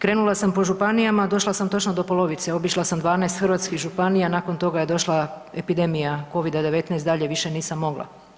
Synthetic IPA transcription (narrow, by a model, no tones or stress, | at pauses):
kɾe̞ːnulˠasampoʒupanijamad̪o̞ʃlˠasamt̪o̞t͡ʃnod̪o̞po̞lo̞ʋit̪seo̞biʃlˠasamd̪ʋaːnɛjst̪xɾʋat̪skiʒupanijanako̞nt̪o̞ɡaje̞d̪o̞ʃlˠaepid̪e̞mijako̞ʋid̪ad̪e̞ʋe̞t̪najst̪d̪aʎe̞ʋiʃeniːsamːo̞ɡlˠa̰